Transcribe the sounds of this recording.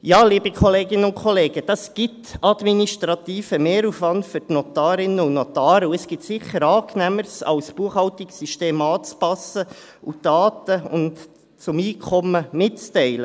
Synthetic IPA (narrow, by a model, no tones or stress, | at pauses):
jɑːliːbikʰɔleːɡɪnəʊnkʰɔleːɡ̥əd̥ɑsɡ̥ɪtɑd̥̪miniʃtɾɑt̪iːfəmeːɾufʋɑntfʏrtnɔt̪ɑːɾɪnəʊnɔt̪ɑːɾəuəsɡ̥ɪt̪sɪχəɾɑːknæməɾsɑ̰wsb̥uəχhɑwtiksyʃteːmɑːt͡spɑsə | ud̥ɑːt̪əʊnt | t͡sʊmiːkʰɔməmɪtt͡stɛɪlə